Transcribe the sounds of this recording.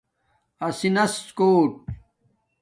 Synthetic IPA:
ɐsinɐskoːʈ̚

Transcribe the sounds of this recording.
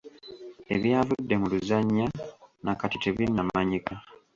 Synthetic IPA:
e̞̰βjaːvudːe̞muluzaɲːanakatiteβinːamaɲika

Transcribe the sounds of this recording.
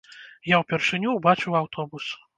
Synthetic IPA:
jawpʲɛrʂɨnʲuːbat͡ʂɨwawt̪ɔbus

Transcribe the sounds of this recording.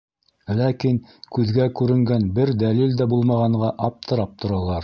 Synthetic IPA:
lækiŋkʉðɡækʉɾɘ̆ŋɡænbɘɾd̪ælild̪æbulˠmɑʁɑɴɢɑʔɑp̚t̪ʰɤ̆ɾɑp̚t̪ʰŏɾɑlˠɑɾ

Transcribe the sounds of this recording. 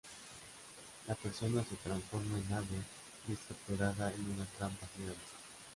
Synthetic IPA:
lateɾsonasut̪ɾansfoɾmalaβe | deskapt̪oɾaðaenunat̪ɾampasiansḁ

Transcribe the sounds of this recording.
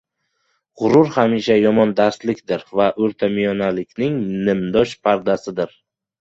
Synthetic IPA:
ʁʊɾʊɾhamiʃajɒmɒnd̪aɾslɪkʲd̪ɪɾvaʔɵɾt̪ʰamijɒnalɪkʲnɪŋnɪmd̪ɒʃpʰaɾd̪asɪd̪ɪɾ

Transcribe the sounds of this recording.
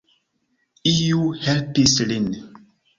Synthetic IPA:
ijuhɛlpislin

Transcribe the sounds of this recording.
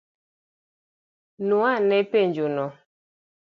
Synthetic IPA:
nuanɛpeɲd͡ʒonɔ

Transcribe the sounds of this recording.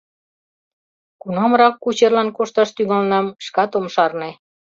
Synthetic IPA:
kunɑmɾɑkːut͡ɕerlɑnkoʃt̪ɑʃt̪yŋɑlnɑmʃkɑt̪omʃɑrnĕ

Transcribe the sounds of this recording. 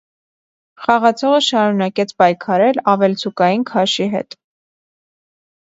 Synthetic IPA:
χɑʁɑt͡sʰɔʁəʃɑɾunɑkɛt͡sʰpɑjkʰɑɾɛlɑvɛlt͡sʰukɑjinkʰɑʃiɦɛ̰t̪

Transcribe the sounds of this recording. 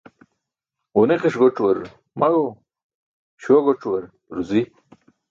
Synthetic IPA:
uneqeʂɡoʈ͡ʂwɐɾ | mɐɡo | ɕoɡoʈ͡ʂwɐɾ | ɾuzi

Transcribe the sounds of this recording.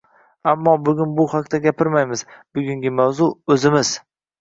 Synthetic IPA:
amːɒbʊɡʲʊnbʊhaqt̪aɡʲapʰɪɾmajmɪzbʊɡʲʊŋɡʲɪmawzʊɵzɪmɪz

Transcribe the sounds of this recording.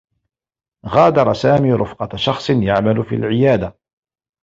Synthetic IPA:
ɣɑːd̪ɑɾˤɑsaːmiːɾˤʊfqɑʃɑxsˤnjaʕmalʊfḭːlʕɪjaːd̪a

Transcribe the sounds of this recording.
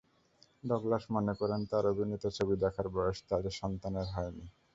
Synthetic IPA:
ɖɔɡlaʃmɔnekɔɾent̪aɾobʱinet̪ot͡ɕʰobid̪ɛkʰaɾbɔeʃt̪ad͡ʑeʃɔnt̪aneɾɦɔeni

